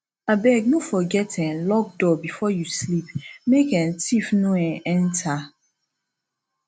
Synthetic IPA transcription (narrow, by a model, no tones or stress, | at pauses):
abɛɡ̚nofɔɡɛtʰɛ̃nlɔk̚dɔbifɔjuslipmekɛ̃ntʰifnoɛ̃ɛ̃ntʰa